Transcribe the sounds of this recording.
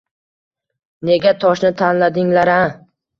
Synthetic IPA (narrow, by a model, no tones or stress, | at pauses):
ne̞ɡʲat̪ʰɒʃnɪt̪ʰanlad̪ɪŋlaɾa